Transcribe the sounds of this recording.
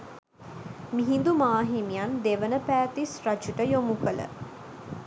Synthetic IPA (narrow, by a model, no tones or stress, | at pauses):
miɦind̪umaːɦimijand̪eʋənəpæːt̪israd͡ʒuʈəjomukələ̰